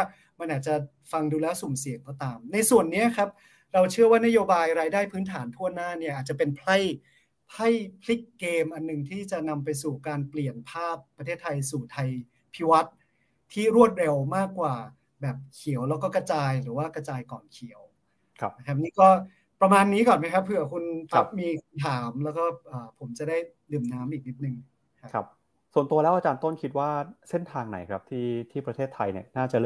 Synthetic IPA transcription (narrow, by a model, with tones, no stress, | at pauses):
ma˧nʔaː˨˩t̪̚t͡ɕa˨˩ | fa˧ŋduː˧lɛː˦˥wsu˨˩˦msi˨˩əŋkɔː˥˩t̪aː˧mna˧jsu˨˩ənːi˦˥ɐkʰa˦˥p̚ | ɾa˧wt͡ɕʰɯ˥˩ɐwaː˥˩na˦˥joː˧baː˧jɾaː˧jdaː˥˩jpʰɯː˦˥nt̪ʰaː˩˦nt̪ʰu˥˩ənaː˥˩ni˥˩ɐʔaː˨˩t̪̚t͡ɕa˨˩pe˧npʰla˥˩j | pʰla˥˩jpʰli˦˥kːeː˧mʔa˧nːɯ˨˩ŋt̪ʰiː˥˩t͡ɕa˨˩na˧mpa˧jsuː˨˩kaː˧npli˨˩ənpʰaː˥˩pːɾa˧t̪ʰeː˥˩t̪ʰːa˧jsuː˨˩t̪ʰa˧j | pʰi˦˥wa˦˥t̪̚ʰː | iː˥˩ɾu˥˩ət̪̚ɾe˧wmaː˥˩kːwaː˨˩ | bɛː˨˩p̚kʰi˨˩˦əwlɛː˦˥kɔː˥˩kɾa˧t͡ɕaː˧jɾɯː˩˦waː˥˩kɾa˧t͡ɕaː˧jkɔː˨˩nkʰi˩˦ə˦w | kʰa˦˥na˦˥kʰa˦˥p̚niː˦˥kɔː˥˩ | pɾa˧maː˧nːiː˦˥kɔː˨˩nma˦˥jkʰa˦˥pʰːɯ˨˩ɐkʰu˧npʰa˦˥p̚miː˧kʰa˧mt̪ʰaː˩˦mlɛː˦˥wkɔː˥˩ʔəː˨˩pʰo˩˦mt͡ɕa˨˩da˥˩j | dɯː˨˩mnaː˦˥mʔiː˨˩k̚ni˦˥t̪̚nɯ˨˩ŋʰ | a˦kʰa˦˥p̚ | su˨˩ənt̪u˧ɐlɛː˦˥wʔaː˧t͡ɕaː˧nt̪o˥˩nkʰi˦t̪̚waː˥˩se˥˩nt̪ʰaː˧ŋna˨˩˦jkʰɾa˦˥p̚t̪ʰiː˥˩t̪ʰiː˥˩pɾa˧t̪ʰeː˥˩t̪ʰːa˧jni˥˩ɐnaː˥˩t͡ɕa˨˩˥